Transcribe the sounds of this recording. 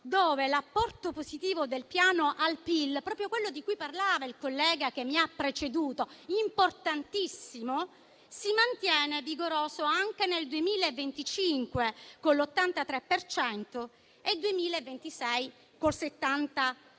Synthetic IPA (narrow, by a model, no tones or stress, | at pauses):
d̪oːvelapːɔrt̪opozit̪iːvod̪elpjaːnoʔalpilpɾɔːpɾjokwelːod̪ikujparlaːvailkolːɛːɡak̟emːiapːɾet͡ʃed̪uːt̪oimport̪ant̪isːimo | simant̪jɛːneviɡoɾoːzoaŋk̟eneld̪uemiːlaevːent̪it͡ʃiŋkwekonlot̪ːant̪at̪ɾepːert͡ʃɛnt̪o | ed̪uemiːlaevːent̪isɛj | kolset̪ːant̪a